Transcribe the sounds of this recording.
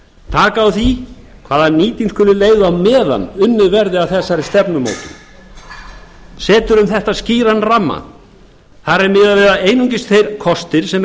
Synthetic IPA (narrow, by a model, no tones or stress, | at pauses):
t̪ʰaːkaːwθi | kʰv̥aːðaniːt̪inskʏːlʏleːjðawmɛːða̰nːʏnːʏðvɛɾðɪawθɛsːaɾɪst̪ɛpnʏmo̰ːwt̪ʏ | sɛːt̪ʏɾʏmθɛht̪asciːɾanːramːa̰ | θaɾɛɾmɪðavɛːɾðaeːjnuɲcɪst̪θejɾ̥kʰɔst̪ɪɾ̥sɛm